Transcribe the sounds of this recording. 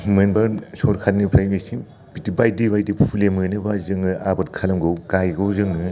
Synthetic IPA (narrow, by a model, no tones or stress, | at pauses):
mɯnbasɔɾkʰatnɯpʰɾajmesi | bitibajdibajdipʰulemɯnɯbazɯŋɯabɯt̚kʰalɐmɡɯwkajɡɯwzɯŋɯ